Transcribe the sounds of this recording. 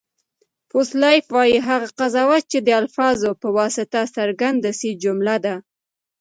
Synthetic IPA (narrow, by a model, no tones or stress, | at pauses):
foslɑjfwɑjiɦaɣaqazɑwat̪̚t͡ʃed̪əalfɑzopəwɑsɪt̪asaɾɡand̪asid͡ʒʊmlad̪a